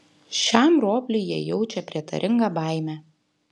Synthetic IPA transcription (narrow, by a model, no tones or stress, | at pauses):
ʃʲæmɾoːpʲlʲʊɪjiɛjɛʊt͡ʃʲɛpʲɾʲiɛt̪ɐ̰ɾʲʔɪŋɡɑbɐˑɪmʲæː